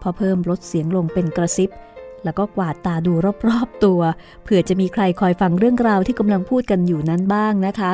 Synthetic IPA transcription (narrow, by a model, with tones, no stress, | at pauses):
pʰɾɔ˦˥pʰɤː˥˩mɾo˦˥t̪̚si˩˦əŋlo˧ŋpe˧nkɾa˧si˦˥p̚lɛː˦˥wkɔː˥˩kwaː˨˩t̪ːaː˧duː˧ɾɔː˥˩p̚ɾɔː˥˩p̚t̪u˧ɐ | pʰɯ˨˩ət͡ɕa˨˩miː˧kʰɾa˧jkʰɔː˧jfa˧ŋɾɯ˥˩əŋɾaː˧wt̪ʰiː˥˩ka˧mla˧ŋpʰuː˥˩t̪̚ka˧njuː˨˩na˦˥nbaː˥˩ŋna˦˥kʰa˦˥